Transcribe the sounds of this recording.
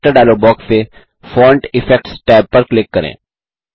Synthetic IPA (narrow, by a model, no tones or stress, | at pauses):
ʈəɾɖaːlobɔːkste | fɔːɾɳʈɪfʰɛk̚ʈsʈɛːb̚pəɾklɪkːəɾḛ̃ː